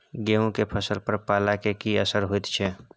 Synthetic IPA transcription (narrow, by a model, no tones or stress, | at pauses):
ɡeũkepʰəsəlpəɾpaːlakekiəsəɾɦoit̪t͡ʃʰɛ